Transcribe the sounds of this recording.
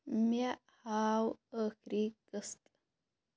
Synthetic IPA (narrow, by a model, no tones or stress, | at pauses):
ma | hawəkɾikəst̪